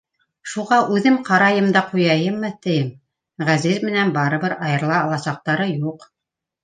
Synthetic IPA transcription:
ʃuʁɑʔʉðɘmqɑɾɑjɤmd̪ɑqujɑjɤmːɤt̪ɘ̆jɘm | ʁæzizmɘ̆nænbɑɾɤ̆βɤɾɑjɤ̆ɾlˠɑːlˠɑsɑq̚t̪ɑɾɤjuq

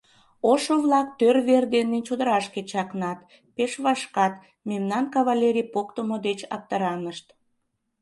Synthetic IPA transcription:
oʃoβlɑk̚t̪ørβerd̪enːet͡ɕod̪əɾɑʃket͡ɕɑknɑt̪ | peʃβɑʃkɑt̪ | memnɑnkɑβɑlʲeɾʲijpokt̪omod̪et͡ɕɑ̰k̚t̪əɾɑnəʃt̪

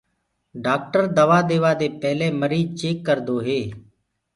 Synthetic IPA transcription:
ɖaːk̚ʈəɾd̪əʋaːd̪eːʋaːd̪eːpɛɦlẽːməɾiːd͡ʒt͡ʃeːkːəɾd̪oːɦeː

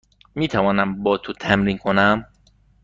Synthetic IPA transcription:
miːt̪ʰævɒːnæmbɒːt̪ʰut̪ʰæmɾiŋkʰo̞næm

